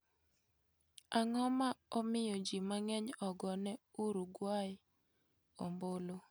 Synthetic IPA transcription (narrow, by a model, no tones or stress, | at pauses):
aŋɔmaɔmɪjɔd͡ʒimaŋɛɲɔɡɔnɛuɾuɡwajɪ | ɔmbolo